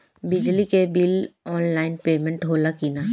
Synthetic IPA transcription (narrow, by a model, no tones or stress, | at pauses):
bɪd͡ʒlikebɪlɔːnlaːɪnpeːmẽɳʈɦoːlakiːna